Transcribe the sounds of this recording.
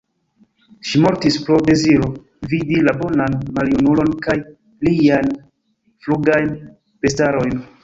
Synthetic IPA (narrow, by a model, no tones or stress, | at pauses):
ʃimo̞ɾtispɾo̞de̞ziɾo | vidilabo̞nanmaljunulo̞nkaj | lian | fluɡajn | pe̞staɾo̞jn